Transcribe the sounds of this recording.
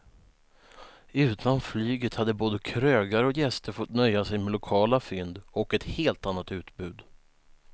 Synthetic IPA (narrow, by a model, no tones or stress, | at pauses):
ʉ̟ːt̪ʰanflyːɡət̪had̪ːəboːd̪əkʰɾøːɡaɾɔkjɛst̪əɾfɔt̪nœjːasɛjmɛlʊkʰɑːlafʏnd̪ɔkɛt̪heːlt̪anːat̪ʉ̟ːt̪bʉ̟ːd̪